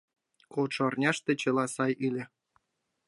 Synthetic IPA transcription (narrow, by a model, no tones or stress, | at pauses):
koʈ͡ʂ̆ːrnʲɑʂt̪ĕt͡ɕĕlˠɑsɑjilʲĕ